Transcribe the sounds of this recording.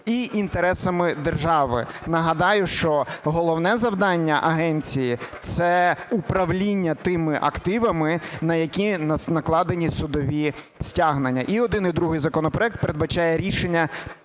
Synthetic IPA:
iʔint̪eɾɛsɐmɪd̪erʒɑʋɪ̰nɐɦɐd̪ɑjʊʃt͡ʃɔɦɔlˠɔwnɛzɐwd̪ɑnʲːɐʔɐɦɛnʲt͡sʲijit̪sɛupɾɐwlʲinʲːɐt̪ɪmɪʔɐ̰kt̪ɪʋɐmɪnɐjɐkʲinnɐklˠɑd̪enʲisʊd̪ɔʋʲi | sʲtʲaɦnenʲːɐ̰ʔiɔd̪ɪnijd̪ɾuɦɪjzɐkɔnɔpɾɔɛk̚t̪̚peɾed̪bɐt͡ʃɑjɛɾʲiʃenʲːɐ

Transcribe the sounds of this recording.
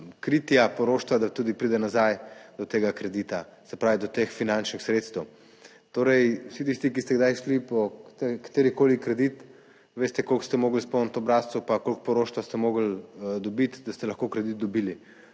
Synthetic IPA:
kɾit̪japɔɾoːʃt̪ʋad̪at̪uːd̪ipɾid̪ɛnazajd̪ɔt̪eːɡakɾɛd̪it̪asɛpɾaːʋid̪ɔt̪exfinant͡ʃnixsɾet̪st̪ɛw | t̪oːɾɛjwsit̪ist̪ikist̪ɛɡd̪ajʃlipɔt̪ɛkḁt̪eːɾikoːlikɾɛd̪it̪ | ʋeːst̪ɛkolkst̪ɛmoːɡəlspoːnt̪ɔbɾast̪supakolk̚pɔɾoːʃt̪ʋast̪ɛmoːɡəld̪ɔbit̪d̪ast̪ɛlɐxkokɾɛd̪it̪̚d̪ɔbiːli

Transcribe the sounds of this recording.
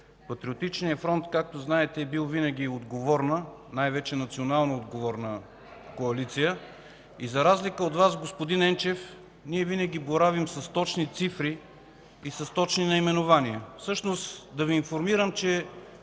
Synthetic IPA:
pɐt̪ɾiot̪it͡ʃnijəfɾɔnt̪kak̚t̪oznaɛt̪ɛːbilˠvinɐɡ̟iod̪ɡovɔɾnə | najvɛt͡ʃɛnɐt̪sionalˠnood̪ɡovɔɾnə | koɐlit̪sijə | izɐɾazlikəod̪vasɡospod̪inɛnt͡ʃɛf | niɛvinəɡʲiboɾavimsɐst̪ɔt͡ʃnit̪sifɾiː | sɐst̪ɔt͡ʃninɐimɛnovaniəfsɤʃnost̪d̪ɐviːnfoɾmiɾəmt͡ʃɛ

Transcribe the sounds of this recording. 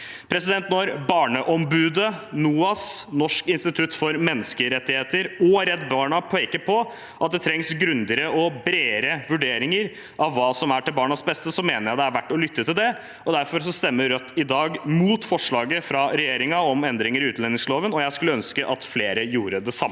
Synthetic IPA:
pʰɾɛsɪd̪ɛnt̪nɔɾbɑːɳəʔɔmbʉːd̪ənuːɑsnɔʂkɪnst̪ɪt̪ʰʉt̪ːfɔɾmɛnːəskəɾɛt̪ːɪheːt̪əɾɔɾɛt̪ːbɑːɳɑpʰeːkəpʰɔ | ʔɑt̪̚d̪ɛt̪ʰɾɛŋsɡɾʉnd̪ɪɾəɔbɾeːɾəʋʉɖeːɾɪŋəɾ | ʔɑʋːɑːsɔmæʈɪlbɑːɳɑsbɛst̪əsɔmeːnəɾjæɪd̪ɛæɾʋæʈːɔlʏt̪ʰːət̪ʰɪld̪ɛ | ɔd̪æɾfɔɾsɔst̪ɛmːəːœt̪ʰːɪd̪ɑːɡmuːt̪fɔʂɭɑːɡəfɾɑɾɛjeːɾɪŋɑɔmɛnd̪ɾɪŋəɾɪʉːt̪lɛnɪŋsloːʋənɔjæɪskʉləœnskəʔɑt̪fleːɾəjuːɾəd̪ɛsɑmːə

